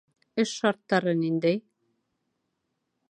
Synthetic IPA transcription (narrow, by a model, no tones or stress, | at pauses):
ɵʃːɑɾt̪ːɑɾɤnind̪æj